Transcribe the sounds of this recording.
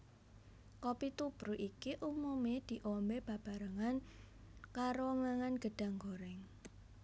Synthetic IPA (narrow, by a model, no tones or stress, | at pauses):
kɔpit̪ub̥ɾuʔikiʔumumed̪̥i̤ʔɔmbeb̥a̤b̥a̤ɾəŋan | kaɾoŋaŋanɡ̥əɖ̥a̤ŋɡoɾɛŋ